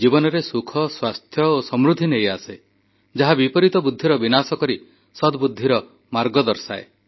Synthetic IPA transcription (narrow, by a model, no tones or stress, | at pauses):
d͡ʒibɔnɔɾesukʰɔswast̪ʰjɔosɔmɾud̪ʱinejase | d͡ʒaɦabipɔɾit̪ɔbud̪ʱːiɾɔbinasɔkɔɾi | sɔd̪bud̪ʱːiɾɔ | maɾɡɔd̪ɔɾsa̰e